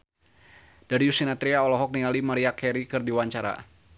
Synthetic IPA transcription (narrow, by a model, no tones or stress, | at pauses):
d̥aɾiusinat̪ɾiaɔlɔɦɔk̚nialimaɾiakʰɛɾikɨrdiwaɲt͡ʃaɾa̰